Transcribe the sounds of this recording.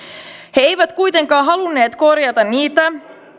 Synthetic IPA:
hee̞jʋæt̪kujt̪e̞ŋkɑːɦɑlunːe̞ːt̪ko̞rjɑt̪ɑnniːt̪æ

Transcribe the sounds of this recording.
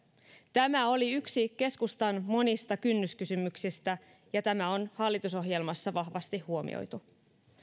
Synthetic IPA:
t̪æmæo̞liyksike̞skust̪ɑnmo̞nist̪ɑkynːyskysymyksist̪æ | jɑt̪æmæo̞nhɑlːit̪uso̞ɦje̞lmɑsːɑʋɑhʋɑst̪ihːuo̞mḭo̰jt̪u

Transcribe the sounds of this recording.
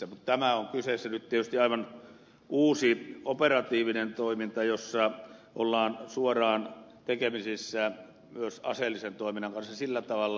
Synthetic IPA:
æmut̪t̪æmæoŋkysesːænyt̪iet̪yst̪iɑˑiʋɑn | uːsioperɑt̪iːʋinent̪oˑimint̪ɑjosːɑʔolːɑːnsuorɑːnt̪ekemisisːæ | myøsɑ̰selːisent̪oˑiminːˑɑŋkɑnsːɑsilːæt̪ɑʋɑlː

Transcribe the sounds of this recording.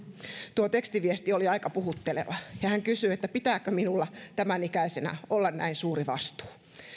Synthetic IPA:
t̪uot̪ekst̪iʋiest̪ioliɑikɑpuhut̪ːelḛʋɑjɑhæŋkysyet̪ːæpit̪æːkøminulːɑt̪æmænikæisenæ̰ʔolːɑnnæ̰insuːriʋɑ̰st̪u̥ː

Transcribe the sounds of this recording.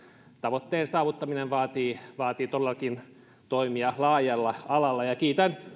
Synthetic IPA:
t̪ɑʋot̪ːeːnsɑːʋut̪ːɑminenʋɑːt̪iːʋɑːt̪iːt̪olːɑkin | t̪oimiɑlɑːjɑlːɑɑlɑlːɑjɑkiːt̪æn

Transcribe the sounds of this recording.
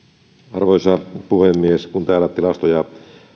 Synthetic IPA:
ɑrʋoisɑpuhemːieskunt̪æːlæt̪ilɑst̪ojɑ

